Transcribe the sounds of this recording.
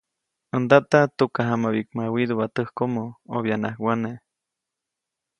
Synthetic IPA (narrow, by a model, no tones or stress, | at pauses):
ənd̪aʔt̪at̪ukaɦamaβik̚mawid̪uβat̪əhkomooβjanahwane